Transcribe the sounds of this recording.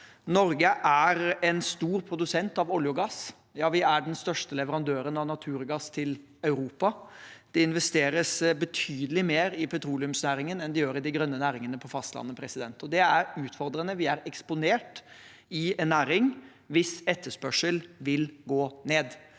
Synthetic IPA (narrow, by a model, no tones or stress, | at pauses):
nɔɾɡəʔæɾɛnst̪uːɾpʰɾʊd̪ʉsɛnt̪ɑʋɔljʊɡɑs | jɑːʋɪæɖɛnst̪œʂʈəlɛʋəɾɑnd̪øːɾənɑʋnɑt̪ʰʉːɾɡɑst̪ʰɪl | ɑʉɾuːpɑd̪̥ɛɪnʋɛst̪eːɾəsbət̪ʰyːd̪əlɪmeːɾɪpʰɛt̪ʰɾuːlɪʉmsnæːɾɪŋənɛnd̪ɛjøːɾɪd̪ɪɡɾœnːənæːɾɪŋənəpʰɔfɑst̪lɑ̰nːəpʰɾɛsɪd̪ɛ̰nt̪ɔd̪ɛæɾʉːt̪fɔɾd̪ɾənəʋɪæɾɛkspʊneːʈ | ɪɛnːæːɾɪŋ | ʋɪsɛt̪ʰːəʂpœʂəlʋɪlɡoːneːd̪